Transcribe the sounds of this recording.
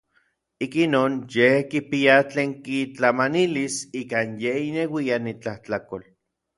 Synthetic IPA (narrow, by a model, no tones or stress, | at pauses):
ikinoːnjehkipiat͡ɬeːŋkit͡ɬamanilisiːkanjeinewianit͡ɬaht͡ɬakol